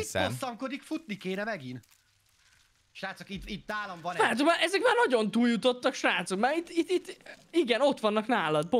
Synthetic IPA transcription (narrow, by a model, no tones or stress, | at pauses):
ḭosɒŋko̞d̪ikfut̪nikeːnɛmɛɡin | ʃraːt̪sokit̪it̪̚d̪aːlɒmvɒnaːt̪sokmaːɾʔɛzɛkmaːrnɒɟo̞nt̪uːljut̪o̞t̪ːɒkʃraːt̪sokmaɾit̪ːit̪ːit̪ːiɡɛno̞t̪ʋɒnːɒknaːlɒd̪̚p